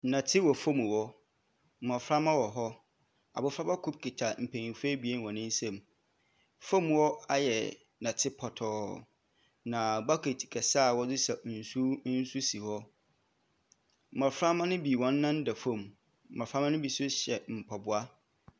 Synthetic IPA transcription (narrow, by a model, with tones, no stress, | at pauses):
nã˨tʰɪ˦wɔ˨fõ˦mũ˨wɔ˦ | m̩˨mɔ˨fɾa˦mã˦wɔ˨ɦɔ˦ | a̰˨bʊ˨fɾa˦ba˦kʰu˦b̚kʰi˨tʰa˨m̩˨pʰe˨nĩ˨fe˦bi˨e˦n˦wɔ̃˨nɪ̃˦n˦sɛ̃˨m | fõ˦m˨wɔ˦a˨jɛ˨ | nã˨tʰɪ˦pʰɔ˨tʰɔː˨ | nã˨ba˦kʰe˨tʰi̥˨kʰɛ˨sa˦˨wɔ˦zɪ˦sɛ˨n̩˨su˦n̩˦su˦si˨hɔ˦˨ | mɔ˨fɾa˦mã˦nʊ̃˦bi˨wɔ̃˨˦nː˦ã˦n˦dɛ˨fõ˦˨m̩˨ | mɔ˨fɾa˦mã˦nʊ̃˦bi˨sʊ˦ɕɛ˨m̩˨pʰɔ˨bʊ˨a˦